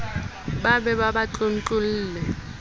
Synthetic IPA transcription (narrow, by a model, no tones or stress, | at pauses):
ɓaɓɛɓaɓat͡ɬʼon̩t͡ɬʼuliːlɛ